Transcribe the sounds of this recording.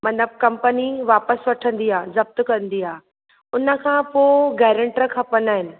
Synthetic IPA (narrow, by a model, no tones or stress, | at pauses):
mɐ̃nəb̚kɐ̃mpəniʋaːpəsʋɐʈʰə̃nd̪iɦaːzɐb̚t̪kɐ̃nd̪iɦaː | ʊnə̆kʰãːpoːɡɛːɾə̃ɳʈɾəkʰɐpənaːɦɪnɪ̆